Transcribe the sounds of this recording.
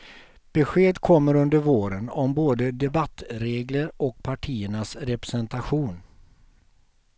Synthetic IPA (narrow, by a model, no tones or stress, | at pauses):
b̥ɛɧeːd̪kʰɔmːəɾɵnd̪əɾvoːɾənɔmboːd̪əd̪ɛbat̪ːɾeːɡləɾɔk̚pʰaʈʰiːəɳasɾɛpɾɛsɛnt̪aɧuːn